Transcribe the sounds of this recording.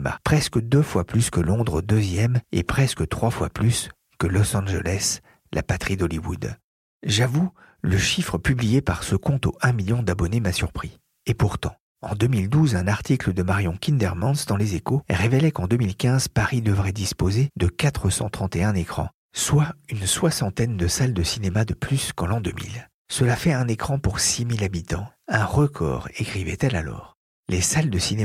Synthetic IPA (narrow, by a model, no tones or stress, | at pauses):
ma̰pχɛskəd̪øfwaplyskəlɔ̃d̪ʁəd̪øzjɛmḛpχɛskət̪χwafwaplys | kəlɔsɑ̃ʒə̰lɛs | lʔa̰pat̪χid̪ɔliwṵd̪ | ʒavu | ləʃifχəpyblijepaʁsəkɔ̃t̪oɛ̃miljɔ̃d̪abɔnemasyʁpχi | epuʁt̪ɑ̰̃ | ɑ̰̃d̪ømild̪uzɛ̃naʁt̪ikləd̪əmaʁjɔ̃kʲind̪ɛʁmɑ̃nsd̪ɑ̃lezekoʁevɛlɛkɑ̃d̪ømilkʲɛ̃zpaʁid̪əvʁɛd̪ispozed̪əkat̪χəsɑ̃t̪χɑ̃t̪eɛ̃nekχɑ̰̃ | swaynswasɑ̃t̪ɛnd̪əsald̪əsinemad̪əplyskɑ̃lɑ̃d̪əmḭl | səlafɛɛ̃nekχɑ̃puʁsimilabit̪ɑ̃ɛ̃ʁəkʰɔ̰ːʁekχivɛ̰t̪ɛla̰lɔ̰ːʁ | lesald̪əsine